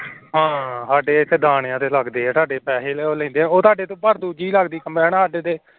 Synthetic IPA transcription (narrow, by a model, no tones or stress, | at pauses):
ɦãːɦaːɖeːɪt̪ʰːeːd̪aːɳjãːt̪eːləɡd̪eːɛ̃ːt̪aːɖeːpɛːseːleːoːlɛ̃ːnd̪ẽːoːt̪aːɖeːt̪õːbəɾd̪uːd͡ʒiːləɡd̪iːkəmɛːnːaːɖeːt̪eː